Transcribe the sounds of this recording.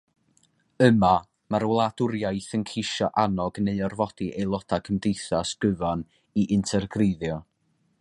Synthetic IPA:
əma | maɾwlˠadʊɾjajθənkʰeʃɔʔanɔɡneɨɔrvɔd̥iʔejlˠɔtʰakʰəmdejθasɡ̥əvan | iʔɪntʰɛrɡreðjɔ

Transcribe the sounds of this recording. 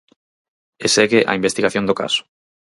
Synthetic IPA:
eseɣeʔa̰imbest̪iɣaθjond̪oka̰sʊ̥

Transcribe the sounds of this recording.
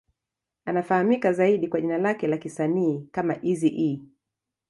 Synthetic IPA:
anafahamikazaiɗikwaʄinalakɛlakisaniːkamaʔiziʔi

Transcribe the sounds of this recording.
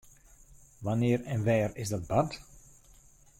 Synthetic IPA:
ʋanɪːərɛnʋɛːrɪzdɑd̚bɑt

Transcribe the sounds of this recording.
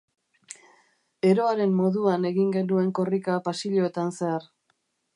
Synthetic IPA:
e̞ɾo̞aɾe̞mːo̞ðuane̞ɣiŋɡe̞nue̞ŋko̞rikapasiʎo̞e̞t̪anse̞ar

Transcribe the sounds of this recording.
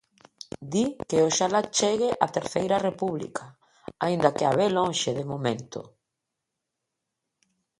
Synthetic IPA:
d̪ikeoʃalat͡ʃeɣɪʔat̪eɾθejɾarepuβlḭkʰa | aind̪akea̰βeloŋʃeðemomẽnt̪ʊ̰

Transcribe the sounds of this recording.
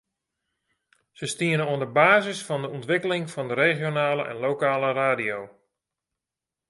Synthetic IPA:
səstiənənoəndəbaːzɪsfɔndəɔntʋɪkəlɪŋfɑndəɾeːχjonaːləʔɛ̰nlowkaːləraːdijow

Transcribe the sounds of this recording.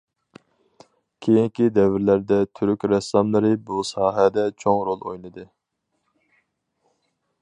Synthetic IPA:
kʲʰejiŋkʲid̪ɛvɪɾlæɾd̪ɛt̪ʰyɾykʲɾɛsɑmlˠɨɾɨbusɑːɦɛd̪ɛt͡ʃʰoŋɾolˠo̰jnɨd̪ɨ

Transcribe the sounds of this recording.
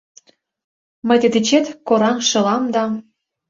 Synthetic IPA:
mə̆jd̪ĕd̪it͡ɕet̪koɾɑnʃɤ̆lɑmd̪ɑ

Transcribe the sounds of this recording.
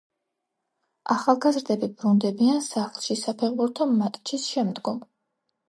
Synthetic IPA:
aχalˠɡazɾd̪ɛbibɾund̪ɛbiansaχlˠʃisapʰɛʁbuɾt̪ʰɔmːat̪ʼt͡ʃʰisʃɛmd̪ɡɔm

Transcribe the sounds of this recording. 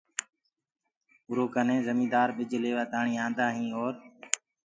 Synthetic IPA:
ʊɾoːkənẽːzəmĩːd̪aːɾɓɪd͡ʒleːʋaːt̪aːɳĩːãːnd̪aːɦĩːoːɾ

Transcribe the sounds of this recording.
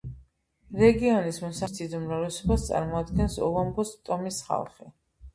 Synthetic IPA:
ɾɛɡiɔnismɔsasʰid̪umɾalɛsɔbast̪sʼa̰ɾmɔad̪ɡɛnsɔ̰lˠɔmbɔst̪ʼɔmisχa̰lˠχɛ

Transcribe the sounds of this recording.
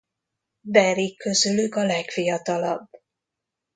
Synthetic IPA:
b̪ɛɾikʰːøzylykɒlɛkfijɒt̪ɒlɒ̰b

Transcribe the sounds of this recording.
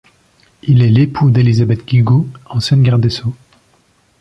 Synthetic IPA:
ilɛlepʰud̪elizabɛt̪ɡ̥ʲiɡoɑ̃sjɛ̃nɡʲaʁd̪eso

